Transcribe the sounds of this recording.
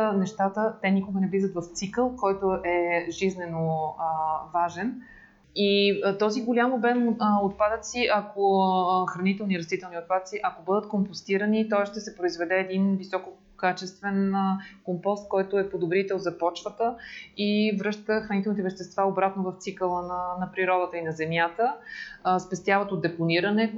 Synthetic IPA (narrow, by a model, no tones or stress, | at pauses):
nɛʃt̪at̪ət̪ɛnʲikoɡənɛvlizət̪vɐft̪sikəlˠkɔjt̪oʔɛʒiznɛno | vaʒɛn | it̪ɔziɡolʲamobɛnəot̪̚pad̪ət̪siʔɐkoxɾɐnit̪ɛlˠniɾɐst̪it̪ɛlˠniot̪̚pad̪ət̪siʔɐkobɤd̪ət̪kompost̪iɾənit̪ɔsʃt̪ɛsɛpɾoizvɛd̪ɛːd̪invisɔko | kat͡ʃɛst̪vɛnkompɔst̪̚kɔjt̪ʊɛpod̪obɾit̪ɛlˠzɐpɔt͡ʃvət̪əivɾɤʃt̪t̪əxɾɐnit̪ɛlˠnit̪ɛvɛʃt̪ɛst̪vaobɾat̪novəft̪sikəlˠənənɐpɾiɾɔd̪ət̪əinɐzɛmjat̪ə | spɛst̪ʲjavət̪od̪d̪ɛponiɾənɛ